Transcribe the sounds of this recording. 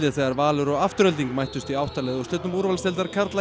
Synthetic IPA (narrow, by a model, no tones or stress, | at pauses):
lɪθɛɣaɾvaːlʏɾɔɣaft̪ʏɾœlt̪iŋkmajht̪ʏst̪iawht̪alɛðɔst̪œːt̪nʏmuɾvalst̪ɛlt̪aɾ̥kʰaɾt̪la